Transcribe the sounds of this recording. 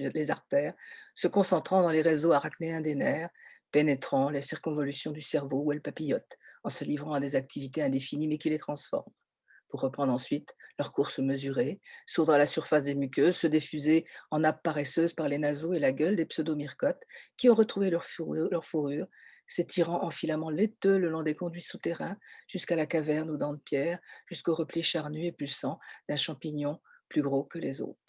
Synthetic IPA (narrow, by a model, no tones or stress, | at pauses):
lezaʁt̪ɛːʁsəkɔ̃sɑ̃t̪χɑ̃d̪ɑ̃leʁezoaʁakneɛ̃d̪enɛːʁpenet̪χɑ̃lesiʁkɔ̃vɔlysjɔ̃d̪ysɛʁvouɛlpapijɔt̪ɑ̃səlivʁɑ̃ad̪ezak̚t̪ʰivit̪eɛ̃d̪efinimɛkʲilet̪χɑ̃sfɔ̰ʁm | puʁːəpχɑ̃d̪ʁɑ̃sɥit̪lœʁkuʁsəməzyʁesuʁd̪ʁalasyʁfas̬d̪emykʲøzsəd̪ifyzeɑ̃nap̚ːaʁɛsøzpaʁlenazoelaɡʲœld̪epsəd̪omiʁkɔt̪kʲiɔ̃ʁət̪χuvellœʁfuʁyːʁ | set̪ʰiʁɑ̃ʔɑ̃filamɑ̃let̪øləlɔ̃d̪ekɔ̃d̪ɥisut̪ɛʁɛ̃ʒ̥yskalakavɛʁnud̪ɑ̃d̪̚pjɛʁʒ̥yskoʁəpliʃaʁnyepylsɑ̃d̪̥ɛ̃ʃɑ̃piɲɔ̃ | plyɡʁokəlezo̰ːt̪χ